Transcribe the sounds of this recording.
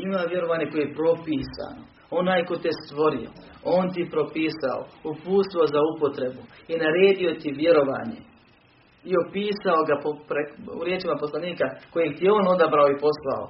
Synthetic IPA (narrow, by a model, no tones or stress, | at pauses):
imaʋje̞ɾo̞ʋaːɲe̞ko̞jeepɾo̞piːsa̰ːno | onaːjko̞t̪est̪ʋo̞ɾio̰ | o̞ːnt̪ipɾo̞piːsa̰o̰upuːst̪ozaupo̞t̪ɾe̞buinaɾe̞ːd̪io̞t̪iʋje̞ɾo̞ʋa̰ːɲe̞̰ | io̞piːsao̞ɡapopɾeṵɾjeːt͡ʃimapo̞slˠaniːkako̞jeɡ̚t̪ijeo̞ːno̞d̪abɾaoipo̞slˠa̰o̰